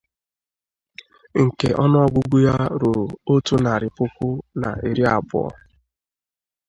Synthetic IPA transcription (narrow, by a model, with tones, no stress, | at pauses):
ŋ̩˨ke˨ʔɔ˦nʊ˦ɔ˦ɡʷʊ˦ɡu˦ja˦ɾo˨ɾo˦tu˦na˨ɾɪ˨pʊ˦kʷʊ˦na̰˨ʔe˨ɾi˦a˨bʊ̰˨ɔ̰˦